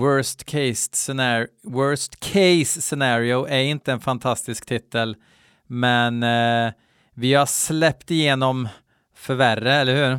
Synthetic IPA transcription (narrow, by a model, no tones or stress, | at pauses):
wœst̪kʰɛɪssɛwœːst̪kʰɛɪsːɛnɑːɾɪʊʔæɾɪnt̪əɛnfant̪ʰast̪ɪskt̪ʰɪt̪ːəl | mɛn | vɪhaslɛpt̪ɪjeːnɔm | fœɾværəɛlːəɾhʉ̟ːɾ